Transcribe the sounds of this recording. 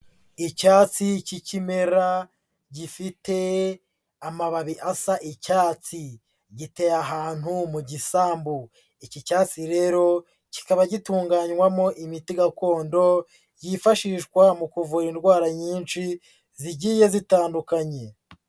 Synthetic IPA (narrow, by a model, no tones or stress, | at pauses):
icaːt͡sicicime̞ɾa | ɟifite̞ | amaβaβiʔasaʔicaːt͡si | ɟite̞jaɦaːn̥humuɟisaːmbu | icicaːt͡siɾe̞ɾo̞ | ci̥kaβaɟituːŋɡaɲwamo̞ʔimitiɡako̞ːndo̞ | jifaʃiːʃɡwamukuvuɾindɡwaːɾaɲiːnʃi | ziɟiːje̞zitaːndukaɲe̞